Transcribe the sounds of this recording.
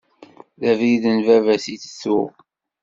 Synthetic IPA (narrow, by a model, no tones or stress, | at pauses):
ðævðənvævæsiθə̥θu